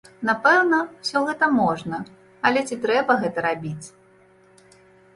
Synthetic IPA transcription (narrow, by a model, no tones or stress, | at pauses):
napɛwnɐwsʲɔɣɛt̪ɐmɔʐnɐ | ɐlʲɛt͡sʲit̪ɾɛbɐɣɛt̪ɐɾabʲit͡sʲ